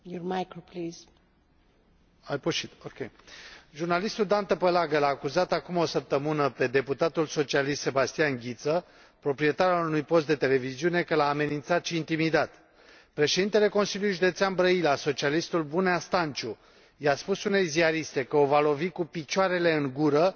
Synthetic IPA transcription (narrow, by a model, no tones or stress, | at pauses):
jɔɾmajkopliz | ajpoʃit̪okʲeʒurnalist̪uld̪ant̪əpəlaɡəlaːkuzat̪akumo̞səp̚t̪əmɨnəpe̞d̪e̞put̪at̪ulso̞t͡ʃialist̪se̞bast̪ijanɡʲit̪sə | pɾo̞pɾie̞t̪aɾalunujpo̞st̪̚d̪e̞t̪e̞le̞viziune̞kəlaːme̞nint̪sat̪ʃiːnt̪imid̪at̪ | pɾe̞ʃed̪int̪ele̞ko̞nsiljujʒud̪e̞t̪seanbɾəilaso̞t͡ʃialist̪ulbuneast̪ant͡ʃu | jaspusune̞jziaɾist̪e̞kəo̞valo̞vikupit͡ʃaɾe̞le̞ɨŋɡuɾə